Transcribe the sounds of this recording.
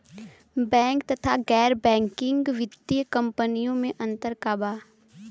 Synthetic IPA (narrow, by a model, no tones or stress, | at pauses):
bɛ̃ːŋkt̪ɐt̪ʰaɡɛːɾbɛ̃ːŋkɪ̃ŋɡʋɪd̪ijəkɐ̃mpənijõmẽʔɐ̃nt̪əɾkaːbaː